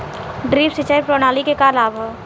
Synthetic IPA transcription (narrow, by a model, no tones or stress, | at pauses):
ɖɾiːpsɪt͡ʃaːipɾoːñaːlikekalaːbʱa